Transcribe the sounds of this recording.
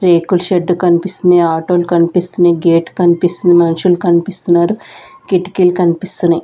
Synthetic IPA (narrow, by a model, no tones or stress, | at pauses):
ɾeːkulʃeɖːukɐnipist̪und̪eːaːʈoːlukɐnipist̪uneːɡeːʈkɐnipist̪und̪imɐnʃulukɐnipist̪unːaːɾu | kiʈi̥kilkɐnipist̪uni